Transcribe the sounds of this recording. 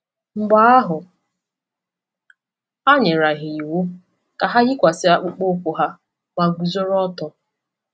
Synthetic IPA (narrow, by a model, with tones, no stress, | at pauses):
ŋ͡m̩˨ɡ͡ba˨˦a˦ɦʊ˨ | a˦ɲe˨ɾa˨ɦɪ˨i˨wo˦ | ka˨ɦa˦ɣɪ˦kʷa˨sɪ˦a˨k͡pʊ˦k͡po˦kʷʊ˨ɦa˦ | ma˨ɡu˨zo˦ɾɔ˦tɔ˨